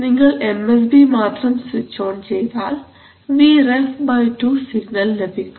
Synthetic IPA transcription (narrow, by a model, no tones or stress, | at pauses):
niŋːɐɭemes̬bimaːt̪rɐmsʋit͡ɕːoːɳt͡ɕejt̪aːl | ʋiːrefbɐjʈuːsiɡnɐlnebikʲːu